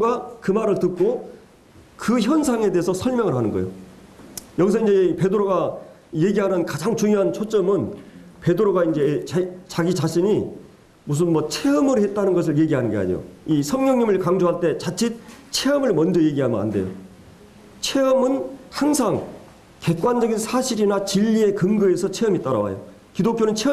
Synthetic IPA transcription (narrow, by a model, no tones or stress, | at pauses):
ɡakɯmaɾɯɭtɯk̚k͈o | kɯçjʌnsʰaŋe̞de̞ɦesʰʌsʰʌɭmjʌŋɯɾhanɯnɡʌ̰jo̰ | jʌɡis̬ʰʌind͡ʑe̞pe̞dɯɾoɡa | je̞ɡiɦanɯnkad͡ʑaŋt͡ɕuŋjoɦant͡ɕʰot͡ɕ͈ʌmɯn | pe̞dɯɾoɡaind͡ʑe̞t͡ɕaɡit͡ɕaɕʰiɲi | mus̬ʰɯnmʌt͡ɕʰe̞ɯmɯɾɦe̞t̚t͈anɯnɡʌs̬ʰɯɭje̞ɡiɦanɯnɡe̞a̰ɲjo̰isʰʌŋɲjʌŋɲimɯɭkaŋd͡ʑoɦaɭt͈e̞t͡ɕat͡ɕʰit̚t͡ɕʰe̞ʌmɯɭmʌnd͡ʑʌje̞ɡiɦamʌna̰nde̞jo̰ | t͡ɕʰe̞ʌmɯnhaŋsʰaŋ | ke̞k͈wand͡ʑʌɡinsʰaɕʰiɾinat͡ɕiʎːie̞kɯŋɡɯe̞sʰʌt͡ɕʰe̞ʌmit͈aɾa̰wa̰jo̰ | kidok͈jonɯnt͡ɕʰe